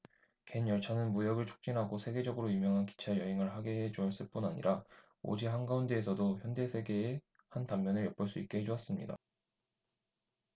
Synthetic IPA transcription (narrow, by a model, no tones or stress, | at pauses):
ke̞njʌɭt͡ɕʰanɯnmujʌɡɯɭt͡ɕʰo̥k̚t͡ɕ͈inɦaɡosʰe̞ɡe̞d͡ʑʌɡɯɾojumjʌŋɦanki̥t͡ɕʰajʌɦeŋɯɭɦaɡe̞ɦet͡ɕuʌɭs͈ɯɭp͈unaɲḭɾa | o̰d͡ʑiɦanɡaunde̞ːsʰʌdoçjʌnde̞sʰe̞ɡe̞ː | hantammjʌnɯɭjʌp͈ɯɭs͈uik͈e̞ɦed͡ʑuʌs͈ɯmɲḭda̰